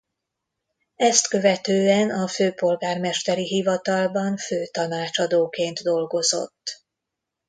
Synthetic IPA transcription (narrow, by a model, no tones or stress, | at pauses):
ɛst̪kø̞vɛt̪øːɛnɒføːpo̞lɡaːrmɛʃt̪ɛɾiɦivɒt̪ɒlbɒɱføːt̪ɒnaːt͡ʃɒd̪oːkeːnt̪d̪o̞lɡo̞zo̞̰t̪ː